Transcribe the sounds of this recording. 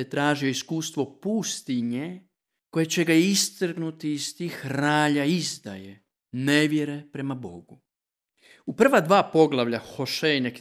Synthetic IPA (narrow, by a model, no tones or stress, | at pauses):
et̪ɾaːʒijo̞iskuːst̪ʋo̞puːst̪iɲe | ko̞je̞t͡ɕe̞ɡaist̪r̩ɡnut̪iːst̪iːxɾaːʎaizd̪a̰je | neʋjeɾe̞pɾe̞mabo̞̰ɡu | upr̩ʋad̪ʋaːpo̞ɡlˠaʋʎaxoʃejnek